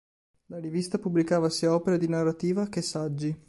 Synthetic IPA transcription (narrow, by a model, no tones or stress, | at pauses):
laɾivist̪apubːlikaːvasiːaɔːpeɾad̪inarːat̪iːvak̟esad͡ʒːi